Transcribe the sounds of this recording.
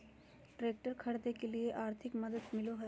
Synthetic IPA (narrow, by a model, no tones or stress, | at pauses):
ʈɾeːk̚ʈəɾkʰɐɽd̪ekelieʔaːɾt̪ʰɪkmɐd̪əd̪mɪloɦɛː